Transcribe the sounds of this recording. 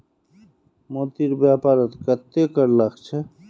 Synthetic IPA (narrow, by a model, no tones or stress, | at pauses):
mot̪iɾbɛpaɾɔt̪kɛt̪ːekəɾlaɡt͡ɕʰe